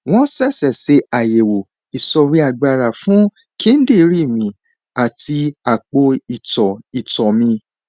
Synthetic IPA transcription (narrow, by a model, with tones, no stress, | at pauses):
w̃ɔ̃˦sɛ˦˨sɛ˨se˨˦a˨je˨wo˨ | i˨sɔ˧ɾi˦a˧˨ɡ͡ba˧ɾa˨fũ˦ | ki˦n̩˦de˦˨˧ɾi˦˨mĩ˨˧ | a˨ti˧a˨k͡po˧i˨tɔ˨i˨tɔ˨mĩ˧